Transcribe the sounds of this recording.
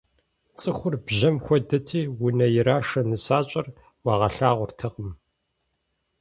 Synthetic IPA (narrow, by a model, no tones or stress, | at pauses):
t͡sʼɨxʷʊrbʑɐmxʷɔdɐtʰiːwʊnɐjɪɾaːʂɐnɨsaːt͡ʃʼɐr | wɑːʁɐɬaːʁʷʊrtʰɐqəm